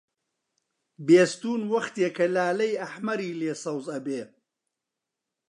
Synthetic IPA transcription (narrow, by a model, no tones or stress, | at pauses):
beːst̪uːnwɐxt̪eːkɐlaːlɐjɐħmɐɾiːleːsɐwzɐbeː